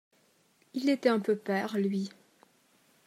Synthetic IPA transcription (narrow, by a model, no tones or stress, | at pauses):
ilet̪ɛɛ̃pøpɛːʁlɥi